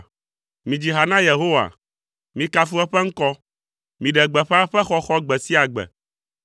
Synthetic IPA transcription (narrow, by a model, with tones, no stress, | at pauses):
mĩ˨d͡ʑi˨ɦa˨nã˦je˨ɦo˦wa̰˨ | mĩ˨ka˦fu˦ɛ˦ɸɛ˦ŋ̩˦kɔ˦ | mĩ˨ɖɛ˨ɡ͡bɛ˨ɸɛ˦a˦ɸɛ˦xɔ˦xɔ˦ɡ͡bɛ˨si˦a˨ɡ͡bɛ̰˨